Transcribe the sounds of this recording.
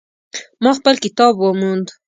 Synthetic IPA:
mɑxpəlkɪt̪ɑbwamund̪

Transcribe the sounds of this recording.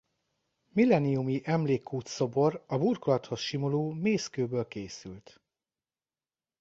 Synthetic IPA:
milɛnijumiʔɛmleːkʰːuːt̪so̞bo̞rɒburkolɒt̪ho̞sʃimoloːmeːskøːbøːlkeːsylt̪

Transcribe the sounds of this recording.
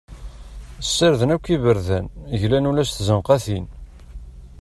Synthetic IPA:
əsːəɾðənækʷːivəɾðænʝlænulæsθzənqɑθin

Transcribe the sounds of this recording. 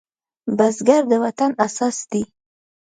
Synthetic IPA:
bazɡaɾd̪əwat̪anasɑsd̪i

